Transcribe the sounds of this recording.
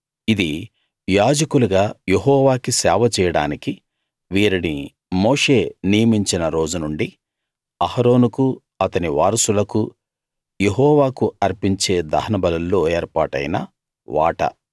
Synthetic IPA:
id̪i | jaːd͡ʒɐkuluɡaːje̞ɦɔːʋaːkisɛːʋɐt͡ʃɛːjɐɽa̰ːniki | ʋiːɾini | moːʂe̞ːnijɐmiɲt͡ʃinɐɾo̞ːd͡ʒunuɳɖi | ɐhɐɾo̞ːnuku | ɐt̪ɐniʋaːɾɐsulɐku | jeɦɔːʋaːkuɐɾpiɲt͡ʃe̞ːd̪ɐ̰ɦɐnɐbɐlɐlːo̞ːeːɾpa̰ːʈɐ̰jnɐ | ʋa̰ːʈɐ̰

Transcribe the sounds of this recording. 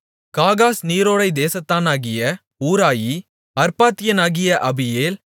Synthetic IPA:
kaːɣaːsniːɾoːɽɐɪd̪eːsɐt̪ːaːnaːɣɪjɐ | uːɾaːji | ɐɾpaːt̪ːɪjɐnaːɣɪjɐʔɐbɪjeːl

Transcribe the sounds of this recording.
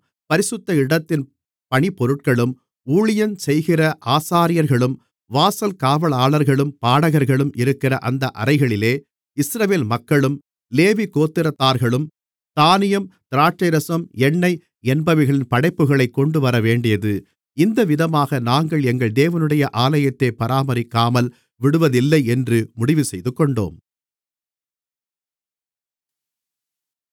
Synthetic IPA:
pɐɾɪsɯt̪ːɐɪɽɐt̪ːɪn | pɐɳipːɔɾɯʈ̚kɐɭɯm | uːɻɪjɐnsɛjɣɪrɐʔaːsaːɾɪjɐɾɣɐɭɯm | ʋaːsɐlkaːʋɐɭaːɭɐɾɣɐɭɯmpaːɽɐɣɐɾɣɐɭɯmʔɪɾɯkːɪrɐʔɐnd̪ɐʔɐ̰ɾɐɪɣɐɭɪleː | ɪsɾɐʋeːlmɐkːɐɭɯm | leːʋikoːt̪ːɪɾɐt̪ːaːɾɣɐɭɯm | t̪aːnɪjɐmt̪ɪɾaːʈ̚t͡ʃːɐɾɐsɐmɛɳːɐɪ | ɛnbɐʋɪɣɐɭɪnpɐɽɐɪpːɯɣɐɭɐɪkːɔɳɖɯʋɐɾɐʋeːɳɖɪjɐðɯ | ɪnd̪ɐʋɪðɐmaːɣɐnaːŋɡɐɭɛŋɡɐɭd̪eːʋɐnɯɽɐjɐʔaːlɐjɐt̪ːeːpɐɾaːmɐɾɪkːaːmɐl | ʋɪɽɯʋɐðɪlːɐɪɛndrɯmʊɽɪʋɯsɛjðɯkːɔɳɖo̰ːm

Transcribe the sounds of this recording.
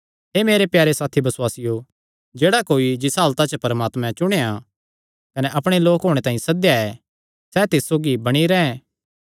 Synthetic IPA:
ɦeːmeːɾepjaːɾesaːt̪ʰibɐswaːsɪjo | d͡ʒeːɽakoːid͡ʒɪsɦaːlt̪at͡ʃəpɐɾmaːt̪mɛ̃t͡ʃʊɽ̃eːa | kɐnɛʔɐpɽ̃eloːkɦoːɽ̃et̪ãːĩsɐd̪ejaɛ | sɛt̪ɪssoːɡibɐɽ̃iɾɛɦɛ̃

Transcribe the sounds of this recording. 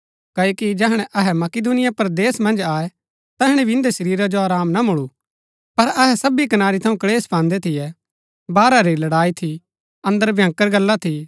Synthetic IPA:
kɐːoːkid͡ʒɛɦɽ̃ɛʔɐɦɛmɐkɪd̪unɪjapɐɾd̪eːsmɐ̃nd͡ʒaːɛ | t̪ɛɦɽ̃ɛbʱiɪ̃nd̪eʃɐɾiːɾad͡ʒoaːɾaːmnamʊɭu | pɐɾɐɦɛsɐbikɐnaːɾit̪ʰɐũkɐɭeːspãːnd̪ɛt̪ʰɪjɛ | baːɾaɾilɐɽaːit̪ʰi | ɐ̃nd̪əɾbʱjãːŋkəɾɡɐlːat̪ʰi

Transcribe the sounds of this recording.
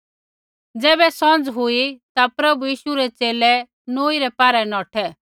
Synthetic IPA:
d͡zɛːbɛsɔ̃nd͡zɦʊit̪apɾɐbujiːʃuɾɛt͡seːlɛ | noːiɾɛpaːɾɛnɔːʈʰɛ

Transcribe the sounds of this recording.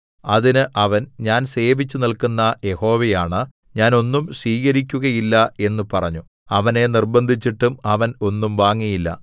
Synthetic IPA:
ɐðinɨʔɐʋɐnɲaːnse̞ːʋit͡ɕːunilkunːɐje̞ho̞ːʋejaːɳɨ | ɲaːno̞nːumsʋiːɣɐɾikʲːuɣɐjilːɐe̞nːupɐrɐɲːu | ɐʋɐne̞nirbɐnd̪ʱit͡ɕːiʈːumɐʋɐno̞nːumʋaːŋːijilːɐ̰

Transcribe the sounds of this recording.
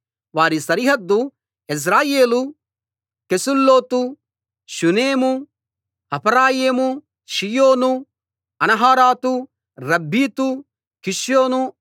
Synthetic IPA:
ʋaːɾisɐɾiɦɐd̪ːu | is̬ɾaːjeːlu | kesulːoːt̪u | ʃuneːmu | ɐpʰɐɾaːjeːmu | ʃijoːnu | ɐnɐɦaːɾaːt̪u | ɾɐbʱːiːt̪u | kiʂjoːnu

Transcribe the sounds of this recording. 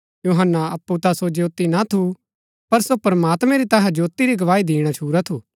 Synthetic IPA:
juːɦənːaɐpːut̪asod͡ʒoːt̪inat̪ʰu | pɐɾsopɐɾɐmaːt̪mɛ̃ɾit̪ɐɦãd͡ʒoːt̪iɾiɡɐʋaːid̪iːɽ̃at͡ʃʰuːɾat̪ʰuː

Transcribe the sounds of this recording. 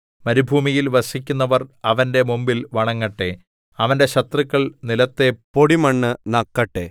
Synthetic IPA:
mɐɾubʱuːmijilʋɐsikʲːunːɐʋɐrɐʋɐnde̞mumbilʋɐɳɐŋːɐʈːe̞ | ɐʋɐnde̞ɕɐt̪rikːɐɭnilɐt̪ːe̞poɽimɐɳːɨnɐkːɐʈːe

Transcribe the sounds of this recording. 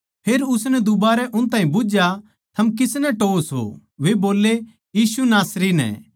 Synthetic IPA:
pʰeːɾʊsnɛd̪ʊbaːɾɛʔʊnt̪ãːɦĩbʊd͡ʒja | t̪ʰɐmkɪsnɛʈoːsɦo̰ | ʋeboːlːe | jiːsunaːsɾinɛ̰̃

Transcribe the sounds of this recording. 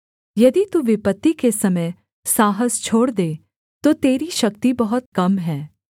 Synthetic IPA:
jɐd̪it̪uʋɪpət̪ːikesɐməj | saːɦəst͡ʃʰoːɽd̪eː | t̪ot̪eːɾiʃɐkt̪ibɐɦʊt̪̚kɐmɦɛː

